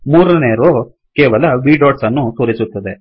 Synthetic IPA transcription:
muːɾɐneːɾoː | kɛːʋɐlɐʋiːɖoːɖsɐnːut̪oːɾisut̪ːɐd̪e

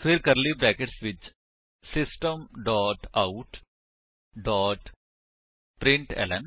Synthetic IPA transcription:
sʋiɾkɐɾlibɾæːkeʈsʋɪt͡ʃ | sɪsʈə̃mɖɔːʈaʊʈ | ɖɔːʈ | pɾɪ̃ɳʈɛ̰lɐ̰̃n

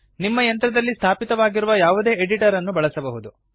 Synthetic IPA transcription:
nimːɐjɐnt̪ɾɐd̪ɐlːist̪ʰaːpit̪ɐʋaːɡiɾuʋɐjaːʋud̪e̞ːeɖiʈɐɾɐnːubɐɭɐsɐbɐɦud̪u

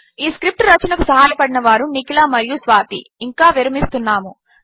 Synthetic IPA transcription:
iːskɾip̚ʈɾɐt͡ʃɐnɐkusɐɦaːjɐpɐɽinɐʋaːɾunikilaːmɐɾijusʋaːt̪ḭːŋkaːʋiɾɐmist̪unːaːmu

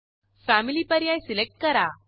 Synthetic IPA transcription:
fæmilipəɾjajsilek̚ʈ̚kəɾa

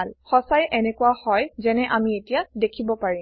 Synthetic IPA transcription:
lxɔsajʔɛnɛkuwahɔjzɛnɛʔamietijadekʰibɔpaɹim

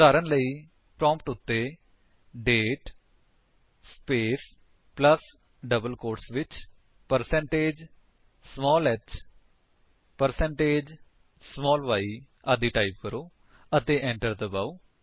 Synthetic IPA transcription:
aːɾənləiː | pɾɔ̃ːmpʈʊt̪ːeː | ɖeːʈ | speːs | pləs | ɖəbəlkoːʈsʋɪt͡ʃ | pəɾsɛ̃ːɳʈeːd͡ʒ | smɔːlɛt͡ʃ | pəɾsɛ̃ɳʈeːd͡ʒ | smɔːlʋaːiː | ad̪iːʈaːip̚kəɾoː | ət̪eːʔɛ̃ːɳʈəɾd̪əbaːuː

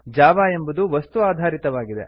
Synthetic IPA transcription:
d͡ʒaːʋaːe̞mbɐd̪uʋɐst̪uaːd̪ʱaːɾit̪ɐʋaːɡid̪e̞̰

